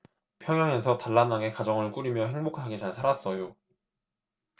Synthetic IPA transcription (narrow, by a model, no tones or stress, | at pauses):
pʰjʌŋjaŋe̞sʰʌtaɭːanaŋe̞kad͡ʑʌŋɯɭk͈uɾimjʌɦeŋbokʰaɡet͡ɕaɭsʰaɾas͈ʌjo